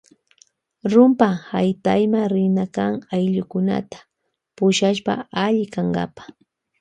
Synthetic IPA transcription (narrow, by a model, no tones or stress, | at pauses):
ɾʊmpahajt̪ajmaɾɪnakaŋajʎʊkʊna̰t̪ḁ | pʊʃaʃpa̰aʎɪkaŋɢɑ̰pḁ